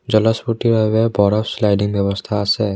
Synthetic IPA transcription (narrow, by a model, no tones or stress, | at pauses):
d͡ʒələsfuʈiɾəɦʋebɔːɾəfslaːɪɖɪ̃ŋɡbjəʋəst̪ʰase